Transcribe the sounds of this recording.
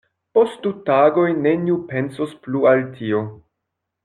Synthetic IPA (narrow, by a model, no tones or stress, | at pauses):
po̞stdutaɡo̞jne̞niupe̞nsosplualtʰio